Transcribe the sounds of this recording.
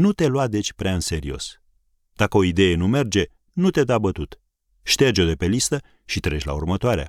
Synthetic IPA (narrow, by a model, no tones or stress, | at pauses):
nut̪e̞luwad̪e̞t͡ʃʲpɾeaɨnse̞ɾio̞̰s | d̪̥akəo̞id̪e̞je̞nume̞rd͡ʒe̞ | nut̪e̞d̪abət̪ut̪ | ʃt̪e̞rd͡ʒo̞d̪e̞pe̞list̪ə | ʃit̪ɾe̞t͡ʃʲla̰ṵrmət̪oaɾea̰